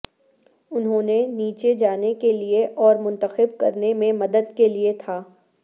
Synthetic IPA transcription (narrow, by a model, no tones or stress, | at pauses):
ʊnɦõːneniːt͡ʃed͡ʒaːnekelieʔɔːɾmʊ̃nt̪əxɪb̚kɐɾnemẽmɐd̪əd̪keliet̪ʰaː